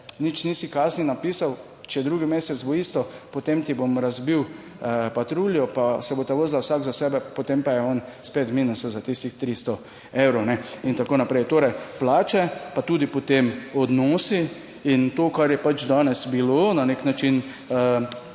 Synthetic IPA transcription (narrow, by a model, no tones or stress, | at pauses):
nit͡ʃniːsikaːsninapiːsaw | t͡ʃɛjɛd̪ɾuːɡimeːsɛt͡s̪boist̪ɔpot̪emt̪ibomɾazbiw | əpat̪ɾuːljɔpasɛbot̪aʋəzlawsaɡzasɛːbɛpot̪empajɛɔnspet̪miːnusɔzat̪ist̪ixt̪ɾist̪ɔ | ewɾownɛint̪akoːnapɾɛjt̪oːɾɛjplaːt͡ʃɛpat̪uːd̪ipot̪emɔd̪nɔːsi | int̪oːkaɾjɛpat͡ʃd̪aːnɛsbilonaneknat͡ʃin | ə